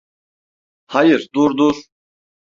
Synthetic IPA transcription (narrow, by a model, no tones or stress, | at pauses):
hajɨɾd̪uɾd̪uɾ